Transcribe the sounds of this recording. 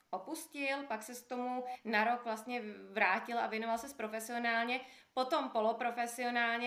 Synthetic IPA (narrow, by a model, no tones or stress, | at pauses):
ʔopuscɪlpaksɛkt̪omunaɾo̞kvlast̪ɲɛvɾaːcɪlʔa̰vjɛno̞valsɛspɾofɛsɪo̞naːlɲɛpo̞t̪o̞mpo̞lopɾo̞fɛsɪo̞naːlɲɛ